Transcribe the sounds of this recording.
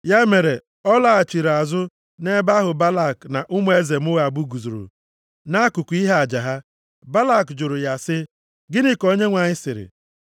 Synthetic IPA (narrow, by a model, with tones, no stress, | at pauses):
ja˦me˨ɾe˨ | ɔ˦la˨a˨t͡ʃi˨ɾa˨zʊ˦ | ne˦ba˦ɦʊ˨ba˦la˦˨kna˨ʔʊ˦m˦e˦ze˨m˦ʊ˦ɣa˨bu˦ɡu˨zu˨ɾṵ˨ | na˦a˦kʊ˨ku˨˦i˦ɦa˦a˨d͡ʒa˨ɦa˦ | ba˦la˦˨kd͡ʒʊ˨ɾʊ˨ja˨sɪ˦ | ɡɪ˦nɪ˦ko˦ɲe˦ŋʷa˨ɲɪ˦sɪ˨ɾɪ̰˨